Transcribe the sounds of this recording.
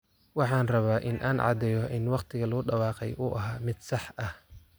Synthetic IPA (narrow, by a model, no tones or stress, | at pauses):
wɑħɑːnrɐβaːʔɪnʔaːnʕɑ̰d̪ɛːjɔɪnwɑqt̪ʰɪɣɐlʊʊɖɑwɑːqɛ̰jʔʊʔɐɦaːmɪd̪sɑħɐh